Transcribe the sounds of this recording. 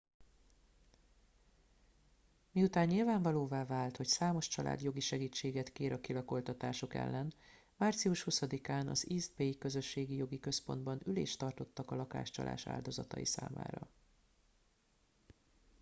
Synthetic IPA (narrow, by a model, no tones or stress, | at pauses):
miut̪aːɲːilvaːɱvɒloːvaːvaːlt̪ho̞csaːmo̞ʃt͡ʃɒlʔa̰ːd̪jo̞ɡiʃɛɡiːt͡ʃːeːɡɛt̪keːɾɒkilɒko̞lt̪ɒt̪aːʃo̞kɛ̰lːɛn | maːrt̪siuʃhusɒd̪ikaːnɒ̰ziːzbejkø̞zø̞ʃːeːɡijo̞ɡikø̞spo̞nd̪bɒnylḛːʃt̪ɒrt̪o̞t̪ːɒkɒlɒka̰ːʃt͡ʃɒ̰lʔa̰ːʃa̰ːld̪o̞zɒt̪ɒ̰jḭsa̰ːma̰ːɾɒ̰